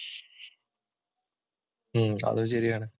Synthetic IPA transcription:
ɐ̰ðuɕ̬ɐɾijaːɳɨ

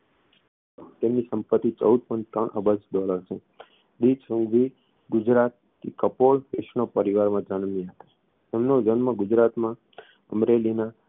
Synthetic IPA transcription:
t̪emnisəmpət̪ːit͡ʃə̰ud̪̚pə̃ɳt̪əɳʔə̰bəd͡ʒɖɔləɾsʰũ | ɖid͡ʒsũŋɡʋi | ɡʊd͡ʒɾat̪̚ | kḭkəpoɭʋeʃnopəɾiʋaɾmãd͡ʒənmĩɦət̪ḁ | emnod͡ʒənmə̃ɡʊd͡ʒɾat̪mã | əmɾelina

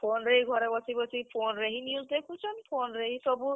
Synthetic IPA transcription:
pʰonɾeɦiɡʱɔɾɛbɔsibɔsipʰonɾeɦinijuzdekʰut͡ʃʰɔnpʰonɾeɦisɔbu

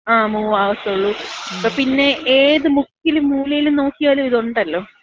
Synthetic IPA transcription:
aːmuːaːʋɐst̪ɐuɭːupːɐpinːe̞ʔeːðɨmukːilumːuːlɐjiluno̞ːkːijaːlumiðoɳɖɐlːo̞ː

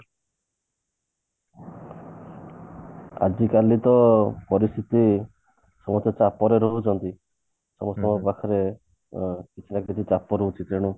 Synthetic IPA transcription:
a̰d͡ʒikalit̪ɔpɔɾist̪ʰit̪i | sɔmɔst̪ɔt͡ʃapːɔɾeɾoɦut͡ʃʰɔnt̪i | sɔmɔst̪ɔmɔpakʰɔɾe | kit͡ʃʰinakit͡ʃ̪ʰit͡ʃapːɔɾout͡ʃʰit̪ɾeɽ̃u

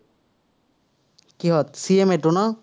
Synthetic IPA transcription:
kiɦɔt̪̚siemetunɔ

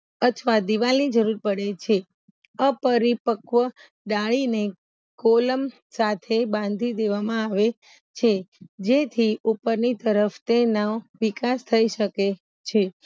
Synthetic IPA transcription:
ət̪ʰəʋad̪iʋalnid͡ʒəɾuɾpəɽet͡ʃʰe | əpəɾipəkʋə | ɖaɭine | koləm | sat̪ʰebãn̆d̪ʱid̪eʋamãaʋe | t͡ʃʰed͡ʒet̪ʰiupəɾnit̪əɾəft̪enaʋikast̪ʰəiʃəke | t͡ʃʰe

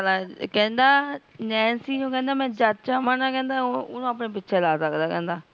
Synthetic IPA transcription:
əlaːkɛ̃ːnd̪aːnɛ̃ːnsiːd͡ʒũːkɛ̃ːnd̪aːmɛ̃ːd͡ʒatt͡ʃaːmaːnaːkɛ̃ːnd̪aːʊnõːap̬neːp̬ɪtːʃʰeːlaːsəkd̪aːkɛ̃ːnd̪aː

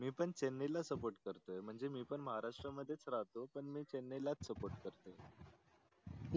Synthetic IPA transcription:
miːpəɳt͡ɕenːelasəpoɾʈkəɾt̪əjm̤əɳd͡zemiːpəɳməɦaɾaʂʈɾəməd̪ʱːjet͡sɾaɦt̪opəɳmiːt͡ɕenːelat͡ssəpoɾʈ̚kəɾt̪o

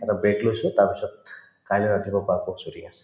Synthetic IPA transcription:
ɛtabeklojsʊtaɹpisɔt̚ | kajlɔɹadʱibɔpakɔsoɾiasɛ̥

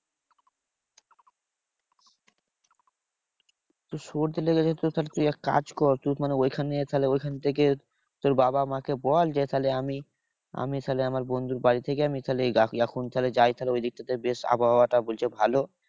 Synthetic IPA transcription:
t̪uʃoɾd̪eɾleɡet͡ɕʰet̪ut̪ʰalet̪ujɛkka̰d͡ʑkɔɾt̪umaneojkʰanet̪ʰaleojkʰanet̪ʰek̬e | t̪oɾbabamãkebɔld͡ʑet̪ʰaleami | a̰mit̪ʰaleamaɾbond̪uɾbaɽit̪ʰekeamit̪ʰaleaɛkʰunt̪ʰaled͡ʑajt̪ʰaleojd̪ik̚ʈ̪at̪ʰeebeʃa̰baɦɔoaʈabolt͡ɕʰebʱalo

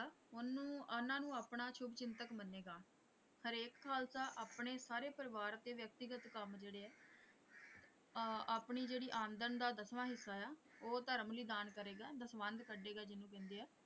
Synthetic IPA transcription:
ʊnũːnãːnũːaːpɳaːʃʰʊbt͡ʃɪnt̪əkmənːeːɡaː | həɾeːkkʰaːlsaːʔaːpɳeːsaːɾeːpəɾɪʋaːɾt̪eːʋjək̚t̪ɪɡət̪kəmd͡ʒeːɽeːɛː | aːpɳiːd͡ʒeːɽiːʔãːnd̪ənd̪aːd̪əsʋãːɦɪsːaːaːoːt̪əɾəmliːd̪aːnkəɾeːɡaːd̪əsʋənd̪kəɖeːɡaːd͡ʒɪnũːkɛ̃ːnd̪eːɛː

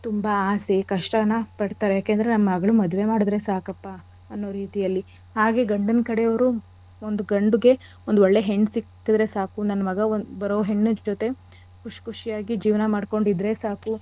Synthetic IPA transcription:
t̪umbaaːsekɐʂʈɐnːɐpɐɽt̪aːɾejaːkeːnd̪ɐɾenɐmːɐmɐɡɐɭumɐd̪ʋe̞maːɽud̪ɾe̞saːkɐpːa | ɐnːoːɾiːt̪ijɐlːi | haːɡe̞ɡɐɳɖɐnkɐɽe̞ɐʋɐɾu | ond̪uɡɐɳɖuɡe̞ | o̞nd̪oɭːe̞ɦeɳːsikːid̪ɾe̞saːkunɐnːɐmɐɡɐonbɐɾoːɦe̞ɳːud͡ʒot̪e̞ | kʰuʂkʰuʂijaːɡid͡ʒiːʋnɐmaːɖko̞ɳɖid̪ɾe̞saːku

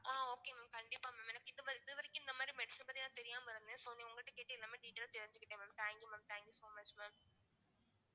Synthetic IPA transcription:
aːoːkːemaːmkɐɳɖipːaːmaːmenɐkːiðɨʋɐɾiðɨʋɐɾekʲːind̪ɐmaːɾimeɽisɐmbɐðijãːnt̪eɾijaːmpɐɾɐnɐðsoːneuŋɡɐɭʈːekeːʈːilnɐmːɐɖiːʈːɐɾt̪iɾɐɲd͡ʑikʲːiʈːeːmaːmt̪ʰaːŋkjumaːmt̪ʰaːŋkjusoːmɐt͡ɕmaːm

